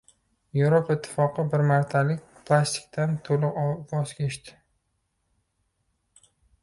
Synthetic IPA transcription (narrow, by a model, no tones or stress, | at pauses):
jevɾopʰaɪt̪ʰːɪ̥fɒqɨbɪɾmaɾt̪ʰalɪkʲpʰlˠast̪ɪ̥k̚ʲt̪ʰant̪ʰolˠɨqvɒzɡʲaeʃt̪ɪ̥